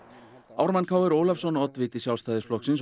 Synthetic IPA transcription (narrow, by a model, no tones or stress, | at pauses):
a̰wɾmankʰaːwɛɾowlafsɔnɔt̪vɪːt̪ɪsjawlst̪aːðɪsplɔhksɪns